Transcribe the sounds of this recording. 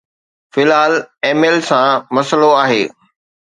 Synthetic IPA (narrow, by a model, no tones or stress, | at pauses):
fɪlɦaːleːmelsãmɐsəloaːɦeː